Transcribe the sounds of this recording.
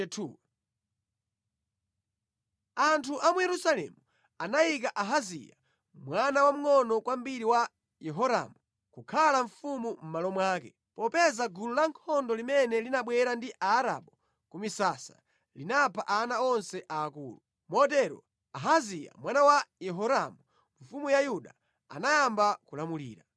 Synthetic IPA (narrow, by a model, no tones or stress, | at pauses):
tʰu | antʰuʔamujɛɾusalɛ̰mu | anajik̬aʔaɦazḭja̰ | mwanawam̩ŋɔnɔkwam̩biɾiwa | jɛɦɔɾa̰mu | kukʰalaɱfumum̩malɔmwaːkɛ | pɔpɛzaɡululaŋkʰɔndɔlimɛnɛlinaɓwɛɾandiʔaːɾa̰ɓɔ | kumisasa̰ | linapʰaʔanaɔnsɛʔaːkṵːlu | mɔt̬ɛɾɔ̰ | aɦazija̰mwanawajɛɦɔɾamu | ɱ̩fumujajuɗa | a̰najambakulamulḭːɾa